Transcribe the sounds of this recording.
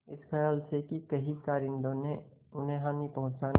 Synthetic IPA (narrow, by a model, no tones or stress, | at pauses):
ɪskʰɛjaːlsekikɐɦikaːɾɪ̃nd̪õne | ʊnɦẽɦãnipəɦʊ̃t͡ʃan